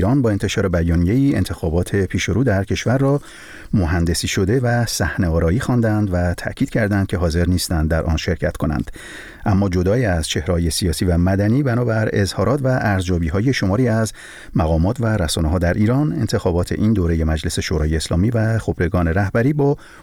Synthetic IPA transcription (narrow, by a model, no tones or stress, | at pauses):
iɾɒnbɒːe̞nt̪ʰe̞ʃɒːɾe̞bæjɒːnije̞iːe̞̰nt̪ʰe̞xɒːbɒːt̪ʰe̞pʰiːʃo̞ɾuːd̪æɾcʰe̞ʃvæɾːɒː | moɦænd̪e̞siːʃo̞d̪e̞væsæhneɒːɾɒːiːxɒnd̪ænd̪væt̪ʰæ̰ʔcʰiːd̪̥̚cʰæɾd̪ænd̪̚cʰe̞ɦɒːze̞ɾniːst̪ænd̪d̪ːæɾʔɒ̰ːnʃe̞ɾcʰæt̪kʰo̞næ̰nd̪̥ | ʔæmːɒːd͡ʒo̞d̪ɒːiæz̥t͡ʃʰe̞hɾehɒːje̞sijɒːsiːvæmæd̪æniːbænɒːbæɾe̞zhɒːɾɒːt̪ʰvæʔæɾzjɒːbiːɦɒːje̞ʃo̞mɒːɾiːæz | mæɣɒːmɒːt̪ʰvæɾæsɒːneɦɒːd̪æɾʔiːɾɒːne̞nt̪ʰe̞xɒːbɒːt̪ʰe̞̰ʔind̪oːɾe̞je̞mæd͡ʒle̞se̞ʃoɾɒ̰ːjeːslɒːmiːvæχo̞bɾe̞ɡɒːne̞ɾæhbæɾiːbɒː